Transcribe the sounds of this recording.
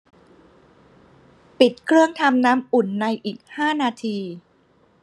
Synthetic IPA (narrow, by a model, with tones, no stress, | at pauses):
pi˨˩t̪̚kʰɾɯ˥˩əŋt̪ʰa˧mnaː˦˥mʔu˨˩nːa˧jʔiː˨˩k̚haː˥˩naː˧t̪ʰiː˧